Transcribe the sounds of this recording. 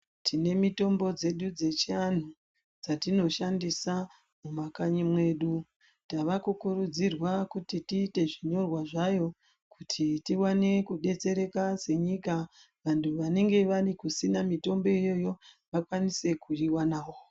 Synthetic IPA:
tʰine̞mito̞mbo̞d͡ze̞ɗud͡ze̞t͡ʃian̤u | d͡zatino̞ʃandisa | mumakaɲimwe̞ːɗu | taʋakukuɾud͡zirwakutitiːte̞ʐiɲo̞rwaʐajo̞ | kutʰitiwane̞kuɗe̞t͡se̞ɾe̞kase̞ɲika | ʋantʰuʋane̞ŋɡe̞ʋarikusinamito̞mbo̞ijo̞jo̞ʋakwanise̞kuriwanaːwo̞

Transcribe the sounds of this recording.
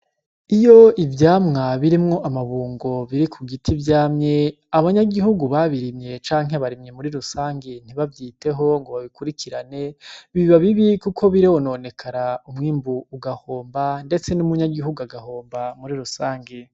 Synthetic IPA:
ijo̞ivjaːmŋaβiɾimŋo̞ʔamaβuːŋɡo̞βiɾikʰuɡitʰivjaːmɲe | aβaɲaɡiɦuɡuβaβiɾimɲe̞t͡ʃaːŋɦeβaɾimɲe̞muɾiɾusaːŋɡen̥iβavjiːte̞ɦo̞ŋɡo̞βaβikuɾikʰiɾane̞βiβaβiβikukʰo̞βiɾeono̞ne̞kʰaɾaumŋiːmbuːɡahoːmbande̞t͡se̞numuɲaɡiɦuɡuaɡaho̞ːmbamuɾiɾusaːŋɡe

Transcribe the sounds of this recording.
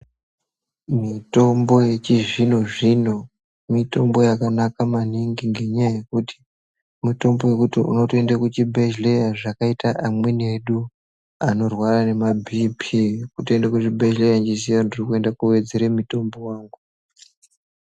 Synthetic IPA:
mito̞mbo̞je̞t͡ʃiʐinoʐino̞ | mito̞mbo̞jakanakamaniŋɡiŋɡe̞ɲajaje̞kuti̥ | mito̞mbo̞je̞kutiṵno̞toe̞ndakut͡ʃibʱe̞ʃlejaʐakaitaʔamwe̞ne̞ɗu | ano̞rwarane̞mabʱipʰikutoe̞ndakut͡ʃibʱe̞ʃlejaɲd͡ʒisijandirikue̞ndakuwe̞d͡zeɾemito̞mbo̞waːŋɡu

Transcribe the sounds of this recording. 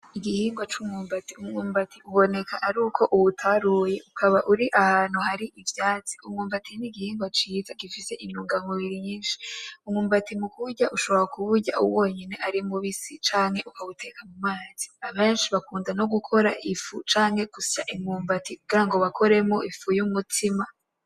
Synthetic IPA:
iɡihiːŋɡwat͡ʃuːmuːmbatiuŋuːmbatiuβo̞ne̞kaʔaɾuːkʰo̞ʔuwutʰaɾuje̞ʔukʰaβaʔuɾiʔahaːnuhaɾiʔivjaːt͡si̥umŋuːmbatʰiniɡihiːŋɡwat͡ʃiːzaɡifise̞ʔiɲuːŋɡamuβiɾiɲiːnʃi̥umŋuːmbatimukuβuɟaʔuʃo̞βoɾakuβuɟa̰ʔṵwo̞ːɲene̞ʔaɾimuβisit͡ʃaːŋhe̞ʔukaβutʰe̞kʰamumaːz̥iaβe̞ːnʃiβakuːndano̞ɡukʰo̞ɾaʔifut͡ʃaːŋhe̞kusaʔimuːmbatiɡ̥aŋɡo̞βakʰo̞ɾe̞moʔifujumutʰima

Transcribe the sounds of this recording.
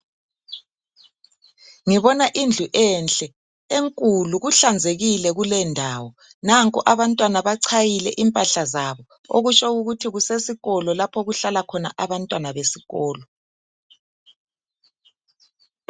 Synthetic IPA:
ŋiβɔnaʔind͡ɮʱuʔɛnt͡ɬʼɛ | eŋkʼuluɣuɬand͡zʱeɣilɛɣulɛndʱaːwɔ | naŋkʼɔʔaβantʼwanaβaǀʰajilɛ̰ʔimpʼaɬazaβɔ | o̰ɣut͡ʃʰʼɔuɣutʰiɣusesiɣɔlɔlapʰɔɣuɬalakʰɔna̰ʔaβantʼwanaβesiɣɔːlɔ

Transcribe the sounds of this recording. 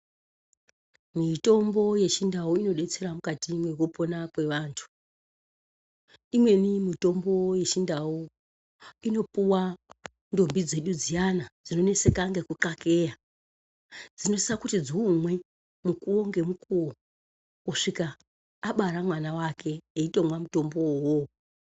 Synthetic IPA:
mito̞mbo̞je̞t͡ʃindawoino̞ɗe̞t͡se̞ɾamukatimwe̞wopo̞nakwe̞ʋaːntʰu̥ | imwe̞nimito̞mbo̞je̞t͡ʃindawo | ino̞puwa | ndo̞mbid͡ze̞ɗud͡zijanad͡zino̞ne̞sekaŋɡe̞kuǃake̞ja | d͡zino̞sisakutid͡ziumwe̞ | mukuwoŋɡe̞mukuwo | uʂikaː | ɓaɾamwanawakʰe̞eito̞mwamuto̞mbowo

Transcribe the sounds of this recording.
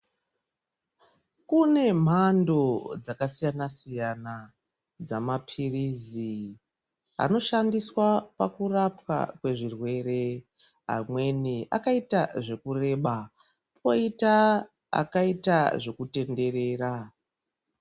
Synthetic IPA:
kune̞m̤ando̞d͡zakasijanasijana | d͡zamapʰirizi | a̰no̞ʃandiswapakurapwa̰kwe̞ʐirwe̞re̞ | a̰mwe̞niʔa̰kaitaʐe̞kure̞ɓa | pʰo̞ita | a̰kaitaʐe̞kute̞nde̞re̞ːra

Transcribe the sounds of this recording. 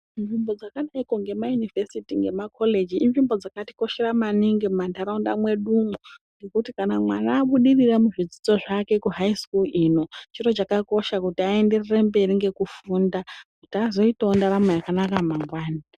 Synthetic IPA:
nʐimbo̞d͡zakanaiko̞ŋɡe̞majunivesitiŋɡe̞̰makʰo̞le̞d͡ʒiːnʐimbo̞d͡zakati̥ko̞ʃeɾamaniŋɡimandaɾaunda̰mwe̞ɗumuŋɡekutikanamwanaːɓuɗiriramuʐid͡zid͡zo̞ʐake̞kuɦaiskuliːno̞t͡ʃiro̞t͡ʃakako̞ʃakutiae̞nde̞rere̞mbe̞ɾiŋɡe̞kufuːndakutazo̞itoondaɾamejakanakamaŋɡwaːna

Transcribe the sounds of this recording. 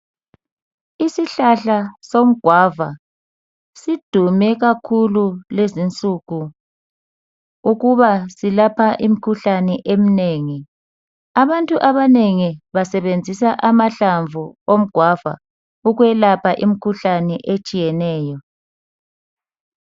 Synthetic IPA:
isiɬaɬasom̩ɡ̥ʱwava̰ | sid̥ʱumɛɣakʰululezint͡sʼuɣu | uɣuβasilapʰaʔim̩kʰuɬanɛʔem̩neːŋi | aβantʼuʔaβaneŋiβasɛβend͡zʱisaʔamaɬaɱvʱuom̩ɡ̥ʱwava̰ | uɣwɛlapʰaʔim̩kʰuɬanɛʔet͡ʃʼijɛnɛːjɔ

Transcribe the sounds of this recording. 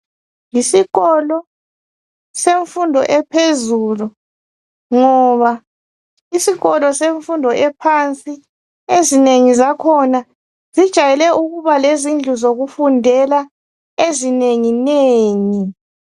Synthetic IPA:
jisiɣɔlɔ | seɱfundʱɔʔɛpʰezulu | ŋɔβa | isiɣɔlɔseɱfundʱɔʔɛpʰant͡sʼi | ezineŋizakʰɔna | z̥id̥ʒ̥ʱajɛlɛʔuɣuβalezind͡ɮʱuzoɣufundʱɛla | ezineŋineːŋi

